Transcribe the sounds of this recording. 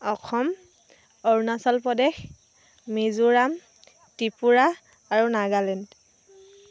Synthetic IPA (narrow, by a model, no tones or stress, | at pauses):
ɔkʰɔm | ɔɹnasɔlpɔdɛxː | izuɹam | tipuɹa | aɹunaɡalɛnd